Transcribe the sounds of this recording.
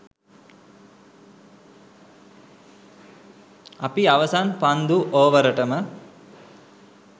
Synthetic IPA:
ɐpiaʋəsanpand̪uʔoːʋəɾəʈəmə

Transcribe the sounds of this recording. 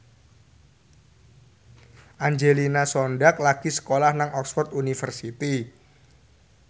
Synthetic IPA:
ʔaɲd͡ʒelinasɔnɖak̚laɡ̥isə̥kolahnaŋɔksfɔrt̪̚unifərsit̪i

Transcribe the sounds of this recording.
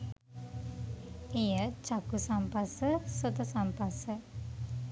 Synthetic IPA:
ejət͡ʃakusampasəsot̪əsampasə

